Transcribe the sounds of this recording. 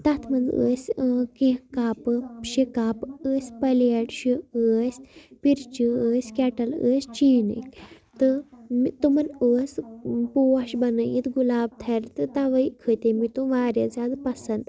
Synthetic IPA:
t̪at̪ʰmɐnd͡zə̰ːsʲkẽkapɨʃikapəːsʲpɐljeʈɕiəːsʲpiɾt͡ʃiəːsʲkʲɛʈɐlə̰st͡ʃinə̰k | t̪ɨmit̪umɐnəːspowɐʃbɐnəjit̪ɡulaːb̚t̪ʰɐɾt̪ɨt̪aʋɐjkʰət̪emit̪uʋaːɾjɐd͡zad̪pɐsɐnd̪

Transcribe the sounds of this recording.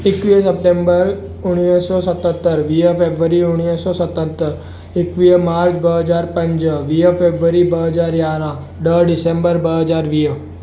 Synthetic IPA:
ɪkʋiːəs̬əp̚ʈẽːmbəɾ | ʊɽ̃əsɔːsət̪ə̃t̪ːəɾʋiːəpʰeːbʋəɾiʊɽ̃ijəsɔsət̪ə̃t̪ːəɾ | ɪkʋijəmaːɾd͡ʒbəɦəd͡ʒaːɾpə̃ɲd͡ʒəʋiːəpʰeːbʋəɾibəɦəzaːɾjaːɾã | ɖəɖɪsẽːmbəɾbəɦəd͡ʒaːɾʋiːə

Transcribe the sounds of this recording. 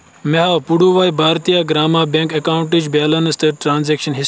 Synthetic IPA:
meɦapuɽuːʋaːjbʱaːɾt̪ijaɡɾaːmaːbẽŋkɐkaːwɳʈid͡ʒbaːlɐnst̪əʈɾaːnzeːkʃɐnɦis

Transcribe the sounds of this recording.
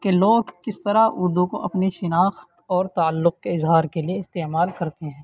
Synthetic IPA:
keloːɡkɪst̪ɐɾaʔʊɾd̪ũkoʔɐpneʃɪnaːxt̪ɔːɾt̪aːlːʊq̚keɪzɦaːɾkelieɪst̪eːmaːlkɐɾt̪eɦɛ̃ː

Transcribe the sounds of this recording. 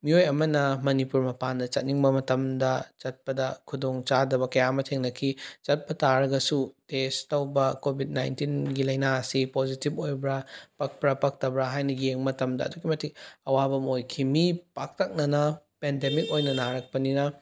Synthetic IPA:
miojɐmɐnɐmɐnipuɾmɐpandɐt͡ʃɐt̚niŋbɐmɐtɐmdɐt͡ʃɐt̚pɐdɐkʰudoŋt͡ʃadɐbɐkɐjamɐtʰeŋnɐkʰit͡ʃɐt̚pɐtaɾɐɡɐsutestɐwbɐkobʱid̚najntinɡilɐjnaɐsipozitibojbɾapɐk̚pɾɐpɐk̚tɐbɾaɦajnɐjeŋmɐtɐmdɐ̰ːduɡimɐtʰik̚ɐwabɐmojkʰimipak̚tɐk̚nɐnɐpendemik̚ojnɐnaɾɐk̚pɐninɐ

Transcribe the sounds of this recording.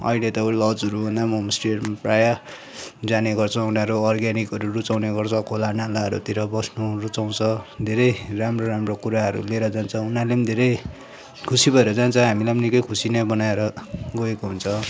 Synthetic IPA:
ʌ̰jlet̪ʌlʌd͡zʌɾubʱʌnd̪amomsʈermpraja | d͡zaneɡʌrt͡sʰʌunaɾuʌrɡanikʌɾurut͡sawneɡʌrt͡sʰʌ̃kʰolanalaɦʌɾṵt̪iɾʌbʌsnurut͡saw̃t͡sʰʌd̪ʱeɾʌjramroɾamrokuɾaɦʌɾṵleɾʌd͡zant͡sʰʌunalemid̪ʱeɾʌj | kʰusibʱʌeɾʌd͡zant͡sʰʌ̃ɦamilajmʌnikʌkʰusinʌbʌnaeɾʌɡʌekoɦunt͡sʰʌ

